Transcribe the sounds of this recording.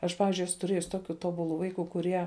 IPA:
ˈɐʃ ˈpɑːʋʲɪzʲd͡ʒʲʊɪ ˈæːsʊ tʊˈrʲeːjʊs ˈtoːˌkʲʊ ˈtoːˌbʊˌlˠʊ ˈʋɐɪˌkʊ kʊˈrʲiɛ

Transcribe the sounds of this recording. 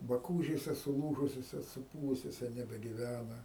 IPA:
bɐˈkuːʒʲeːsʲɛ sʊˈlˠuːʒʊsʲoːsʲɛ sʊˈpuːʋʊsʲoːsʲɛ nʲɛbʲɛɡʲɪˈʋʲænɐ

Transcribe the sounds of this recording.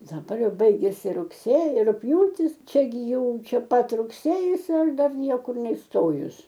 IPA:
dɐˈbɐr ˈjɛʊ ˈbɐɪɡʲɛsʲɪ rʊkˈsʲeːjɪ rʊkˈpʲjuːtʲɪs ˈt͡ʃʲɛ ɡʲɪ ˈjɛʊ t͡ʃʲɛ ˈpɐt rʊkˈsʲeːjɪs ɪr ˈdɐr ˈnʲiɛkʊr nʲɛɪsˈtoːjʊs

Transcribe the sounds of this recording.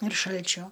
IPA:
ɪr ˈʃɐlʲt͡ʃʲoː

